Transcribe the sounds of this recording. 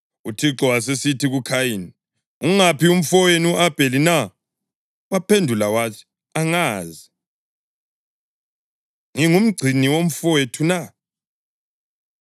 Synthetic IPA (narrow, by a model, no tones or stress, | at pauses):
utʰiǁɔwas̬esitʰiɣukʰajini | uŋapium̩fɔjenuʔab̥ʱelina | wapʰendʱulawatʰi̥ | aŋaːzi | ŋiŋum̩ɡ͡ǀʱiniwom̩fɔwetʰuna